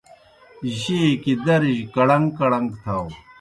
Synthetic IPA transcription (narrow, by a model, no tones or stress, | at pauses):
ʑekid̪ɐɾʑkɐɽɐŋkɐɽɐŋɡt̪ʰaw